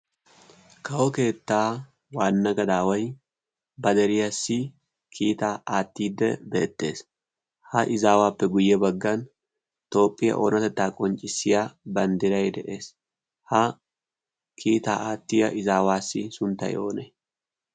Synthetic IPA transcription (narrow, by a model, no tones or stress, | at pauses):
kʰɐwɔke̞ːt̪ːaː | waːnːɐɡɐd̪aːwɐj | bɐd̪ɛɾɪjɐsːɪ | kʰiːt̪aːaːt̪ːiːd̪ːɛ̰be̞̰ːt̪ːe̞ːs | hɐʔɪzaːwaːpːɛɡʊjːɛbɐɡːɐn | t̪o̞ːpʼːɪjɐ̰ʔo̰nɐt̪ɛt̪ːaːkʼɔnt͡ʃʼɪsːɪjabɐnd̪ɪɾɐjd̪ɛʔe̞ːs | hɐ | kʰiːt̪aːaːt̪ːɪjɐʔɪzaːwaːsːɪsʊnt̪ːɐ̰jʔo̞ːnɛ